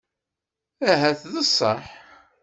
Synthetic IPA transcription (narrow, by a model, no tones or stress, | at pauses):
æɦæθðəsˤːəħ